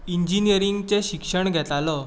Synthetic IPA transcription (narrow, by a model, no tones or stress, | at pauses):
iɲd͡ʑinijəɾiŋɡt͡seɕikʂəɳɡʱɛt̪alɔ